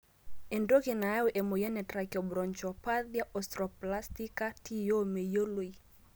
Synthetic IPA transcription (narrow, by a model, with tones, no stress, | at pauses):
e˨ndo˦ke˨na˨˦o˦ʔe˨mo˨ja˦nɛ˨tɾa˨kjɔ˨bɾɔ˨ɲt͡ʃɔ˨pa˦ðja˦ʔɔ˨stɾɔ˨pla˦sti˦ka˦tʰi˦jo˦me˨jo˦lwo˨˦i˨